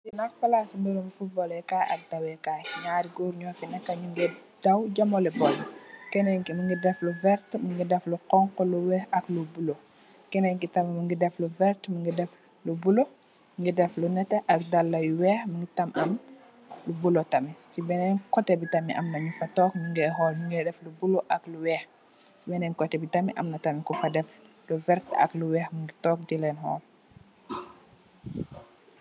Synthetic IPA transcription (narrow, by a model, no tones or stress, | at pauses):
sinak̚pɐlasimdɛɾumifut̚bɔlɛkaːʔɐ̰k̚dɐwɛkaːkiɲaːɾiɡoːɾɲɔkinɛkːɐɲuŋɡɛd̥ɐwɟɐmɔlɛbɔlːɐkɛnɛŋkimuŋɡidɛfluvɛɾtmuŋɡidɛfluqɔŋkɔluwɛxɐklubulo | kɛnɛŋkitɐmɐmuŋɡidɛfluvɛɾtmuŋɡidɛf | lubulo | mŋɡidɛflunɛtɛʔɐk̚dalːɐjuwɛːxmuŋɡitɐmɐm | lubulotɐmisibɛnɛnkɔtɛbitɐmiʔɐ̰mnɐɲufɐtɔːkmuŋɡɛɦɔːlmuŋɡɛdɛflubuloʔɐkluwɛːx | sibɛnɛnkɔtɛbitamiʔɐ̰mnɐtɐmikufɐdɛf | luvɛɾtɐ̰kluwɛːxmuŋɡitɔːk̚dilɛnhɔ̰ːl